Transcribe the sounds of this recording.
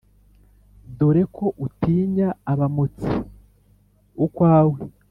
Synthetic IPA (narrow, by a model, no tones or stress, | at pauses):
doɾe̞kʰo̞ʔutiːɲaːβamot͡si | ukwaːwe